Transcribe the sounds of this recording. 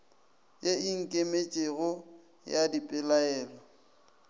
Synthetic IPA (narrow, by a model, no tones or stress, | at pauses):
jeiŋ̩kʼemet͡ʃʼeɣʊ | jadipʼɪlaɛːlɔ